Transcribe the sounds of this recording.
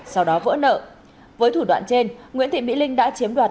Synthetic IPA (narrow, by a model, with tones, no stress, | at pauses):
sa˧wɗɔ˨˦və̰˧˥nə̰ː˧˨ | vəː˨˦jt̪ʰu˧˩wa̰ː˧˨nt͡ɕe˧nŋḭ˧˥ənt̪ḭ˧˨mḭ˧˥lï˧ŋ̟ɗa̰ː˧˥t͡ɕi˨˦əmɗwaː˨˩